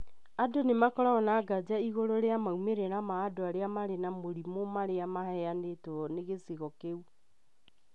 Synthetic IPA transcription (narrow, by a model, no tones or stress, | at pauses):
adonemakɔɾaɣɔnaːɡad͡ʑaiɣoɾoɾeamaumeɾeɾamaːdoaɾeamaɾenamoɾimomaɾeamahɛanetɔneɣeseɣɔkeu